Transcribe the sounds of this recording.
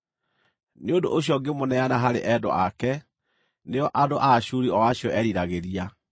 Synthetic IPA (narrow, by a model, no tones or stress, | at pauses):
neodo̰ʔoɕ̬ijɔɡemonɛanaɦaɾeʔɛdɔ̰akɛ | neɔʔadoʔaɕuɾiɔwaɕjɔʔɛɾiɾaɣeɾia